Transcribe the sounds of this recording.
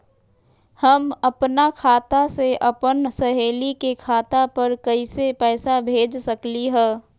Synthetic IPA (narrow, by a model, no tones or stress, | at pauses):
həməpnakʰaːt̪aseʔɐpənsəɦeːlikekʰaːt̪apəɾkəisepɛːsabʱeːd͡ʒsəkliɦɛ̃ː